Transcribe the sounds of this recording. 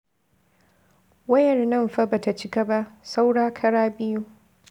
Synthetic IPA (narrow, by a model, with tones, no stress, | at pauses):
wɐ˦jɐ˨rnɐ˦˨mɸa˦ba˨ta˨t͡ʃɪ˦ka˦ba˦ʔsa˦wɽaː˦kʰɐ˦ɽaː˦bɪ˦ju˦